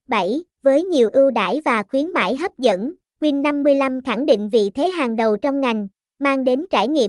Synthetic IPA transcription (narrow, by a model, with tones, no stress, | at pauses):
ɓa˧˩jvəː˨˦jɲi˨˩əwʔɨ˧wɗa̰ː˧˩jvaː˨˩xwi˨˦ənma̰ː˧˥˩jɦə˦˥p̚zə̰˧˥n | kwi˧ənːa˧mːɨ˧əjla˧mxa˧˩ŋɗḭ˧˨ŋ̟vḭ˧˨t̪ʰe˨˦ɦaː˨˩ŋɗə˨˩wt͡ɕɔ˧wŋ͡mŋa˨˩jŋ̟ | maː˧ŋɗe˨˦nt͡ɕaː˧˩jŋḭ˧˨ə